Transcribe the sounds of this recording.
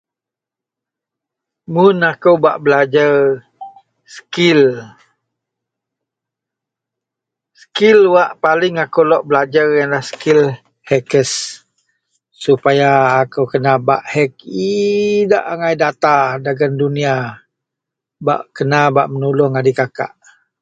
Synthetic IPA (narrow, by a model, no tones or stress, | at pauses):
mʊnakəwbaʔbəlad͡ʒar | sə̥kil | sə̥kilwaʔpalɪŋakəwlɔʔbəlad͡ʒarjanlahsə̥kil | hɛkəs | upajaːkəwkənabaʔhɛk̚ida̰ʔaŋajdat̪adaɡandunia | ba̰ʔkənabaʔmənulɔŋadikaka̰ʔ